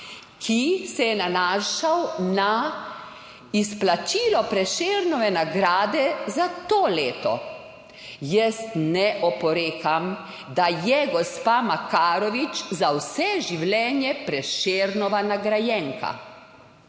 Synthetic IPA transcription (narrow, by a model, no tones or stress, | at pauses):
kʰisɛjɛnanaːʃawna | isplat͡ʃiːlɔpɾɛʃeːɾnɔʋɛnaɡɾaːd̪ɛzat̪oːleːt̪ɔ̰ | jəst̪nɛʔɔpɔɾeːkam | d̪ajɛɡɔspaːmakaːɾɔʋit͡ʃzawsɛʒiwlɛːnjɛpɾɛʃeːɾnɔʋanaɡɾajɛŋka̰